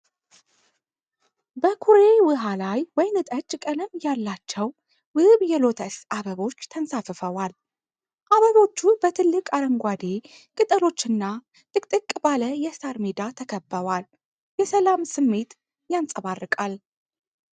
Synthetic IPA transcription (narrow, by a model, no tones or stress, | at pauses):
bəkʰuɾe̞wɨɦalajwɔjnɨt̪ʼət͡ʃʼːkʼələmjalːat͡ʃːɛw | wɨβjɛlo̞t̪ʰəsaβəβo̞t͡ʃːt̪ʰənsafɨfəwal | ʔaβəβo̞t͡ʃːubət̪ʰɨlːɨkʼaɾəŋɡʷad̪e̞ | kʼɨt̪ʼəlo̞t͡ʃːɨnːa | t̪ʼɨkʼt̪ʼɨkʼbaləjɛsaɾmed̪at̪ʰəkʰəbːəwal | jɛsəlamsɨmːe̞t̪ | jansʼəβarːɨkʼal